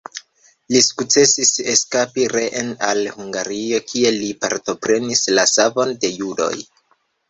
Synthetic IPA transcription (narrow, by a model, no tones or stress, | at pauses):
lisu̥kt͡se̞sise̞skapiɾeʔenalhuŋɡaɾio̞kʰie̞lipaɾto̞pɾe̞nislasavo̞nde̞judo̞̰j